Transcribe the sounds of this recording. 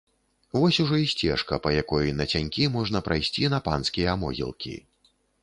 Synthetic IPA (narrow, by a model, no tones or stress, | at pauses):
vɔsʲuʐɔisʲt͡sʲɛ̰ʂkɐpɐjakɔjnɐt͡sʲanʲkʲimɔʐnɐpɾʔajsʲt͡sʲinɐpanskʲijɐːmɔ̰ɣʲḭlˠkʲḭ